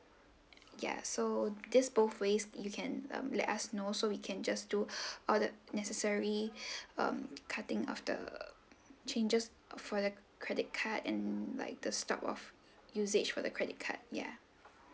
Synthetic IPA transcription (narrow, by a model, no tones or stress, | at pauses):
ja̰sodisboθwesjukʰɛ̃nʌ̰̃mlɛ̰tasnosowikʰɛ̃nd͡ʒasduʔɔldənɛsəsəɹiʌ̰̃mkʰatɪ̃ŋɔ̰fdə̰ | t͡ʃʰẽnd͡ʒəs | fɔdəkʰɹɛdɪt̚kʰatɛ̰̃nla̰ɪk̚d̥əstɔ̰pɔ̰f | juzed͡ʒfɔdəkʰɹɛdɪt̚kʰa̰t̚ja̰